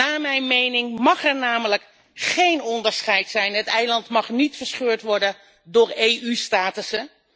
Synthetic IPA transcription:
aːmɛjnmejnɪŋmɑχɛɹnaːmələk | χejnɔndəɹsχɛjtsɛjnɦətɛjlɑntmɑχnitfəɹsχøːɹtʋɔɹdən | dʊːɹejʔystaːtəsə

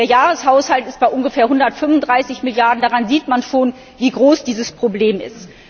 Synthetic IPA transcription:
d̥eːɐjaːʁəshaʊshaltɪst̚b̥aɪʔʊnɡəfeːɐɦʊndɐtfʏmvʊndʁaɪsɪçmɪljaɐdn̩daːʁanziːtmanʃoːn | viːɡʁoːsd̥iːzəspʁ̥obleːmɪ̰st

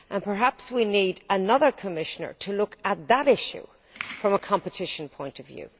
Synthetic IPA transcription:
ʔə̃npʰə˞ɦapswinidənʌðə˞kʰəmɪʃənə̰˞tʰəlʊkət̪̚ðəɾɪʃʉ̰ | fɹʌ̃məkʰɑ̃mpətʰɪʃə̃npʰɔ̃ɪ̃ntəvjʉ̰ː

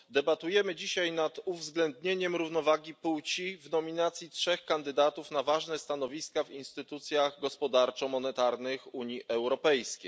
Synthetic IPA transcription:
d̪ɛbat̪ujɛmɘd͡ʑiɕajnat̪uvzɡlɛnd̪ɲeɲɛmɾuvnɔvaɡʲipuwt͡ɕivnɔmʲinat̪sʲjitʂɛxkand̪ɘd̪at̪ufnavaʐnɛst̪anɔvʲiskavinst̪ɘt̪ut̪sʲjaɣɡɔspɔd̪aɾt͡ʂɔmɔnɛt̪aɾnɘxuɲiʔɛwɾɔpɛjskʲejj

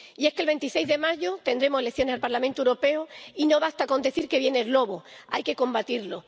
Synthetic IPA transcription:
ie̞skelβe̞nt̪isejzðe̞maʝot̪e̞nd̪ɾe̞mosele̞θjo̞nesalpaɾlamẽnt̪oewɾo̞pe̞oino̞βast̪ako̞nd̪eθiɾke̞βje̞nezlo̞βoajke̞ko̞mbat̪iɾlo̞

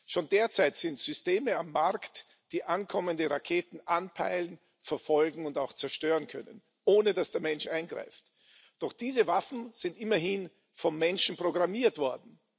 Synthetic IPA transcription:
ʃoːndeːɐt͡saɪtz̥ɪntz̥ʏsteːməamːaɐkt | d̥iːʔankʰɔməndəʁakʰeːtn̩ʔanpʰa̰ɪlən̩ | fɛɐfɔlɡŋ̩ʊntaʊxt͡sɛɐʃtøːʁənkʰœ̰nə̰n | ʔoːnədasd̥eːɐmɛnʃʔaɪnɡʁa̰ɪft | d̥ɔχd̥iːzəvafn̩z̥ɪntʔɪmɐhin | fɔnmɛnʃn̩pʁ̥oɡʁamiːɐtv̥ɔɐdn̩

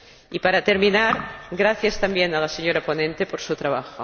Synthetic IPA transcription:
ipaɾat̪eɾmĩnaɾɡɾaθjast̪ambjenalaseɲoɾaponẽnt̪epoɾsut̪ɾaβ̞axo

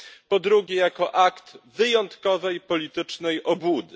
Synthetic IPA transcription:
pɔd̪ɾuɡʲɛjakɔʔakt̪vɘjɔnt̪kɔvɛjpɔlʲit̪ɘt͡ʂnɛjʔɔbud̪ɘ

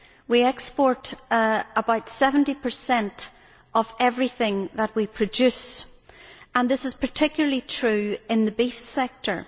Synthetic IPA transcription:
wiɛkspɔɹɾ | əbaʊtsɛvə̃n̩tipʰə˞sɛ̃nt | əvɛvɹiθɪ̃ŋðəʔ̚wipʰɹ̥ɨd͡ʒʉs | ə̃nðɪsɨz̥pʰə˞tʰɪkjl̩ˠəlˠitʰɹ̥ʉɪ̃nðəbifsɛk̚tʰə̰˞

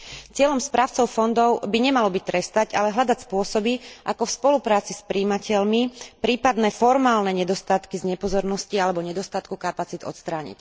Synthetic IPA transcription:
t͡sɪɛʎɔmspɾaːʊt͡sɔʊfɔnd̪ɔʊbiɲɛmalɔbic̚t̪ɾɛst̪aɟalɛɦlʎad̪acspʊɔsɔbiʔakɔfspɔlupɾaːt͡sispɾiːmacɛʎmipɾiːpad̪nɛfɔɾmaːlnɛɲɛd̪ɔst̪at̪kizɲɛpɔzɔɾnɔscialɛbɔɲɛd̪ɔst̪at̪kukapat͡sid̪ɔ̰t̪st̪ɾaːɲḭc

